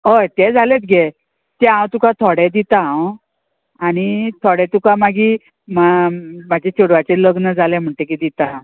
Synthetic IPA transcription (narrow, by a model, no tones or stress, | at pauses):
əjt̪ɛd͡zʱalet̪ɡe | t̪ɛãwt̪ukãt̪ʰɔɽɛ̃d̪it̪aɦw | aɽ̃it̪ʰoɽɛ̃t̪ukamaɡi | mamad͡ʑʱet͡ɕoɽʋat͡seləɡnəd͡zʱalɛ̃m̤əɳʈ̪ekid̪it̪a